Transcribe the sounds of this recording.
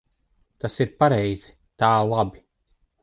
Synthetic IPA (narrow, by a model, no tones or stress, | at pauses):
t̪asiɾpaɾɛjz̥i̥ | t̪aːlˠabi